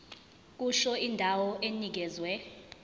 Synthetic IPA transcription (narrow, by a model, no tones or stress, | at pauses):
k̬ʼuʃɔindʱawɔʔenik̬ɛzwɛ